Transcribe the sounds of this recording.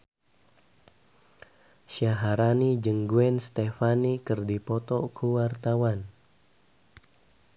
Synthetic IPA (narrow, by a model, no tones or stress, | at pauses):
ʃiaɦaɾanid͡ʒəŋɡuɛnst̪efanikərdipɔt̪ɔkuwart̪awan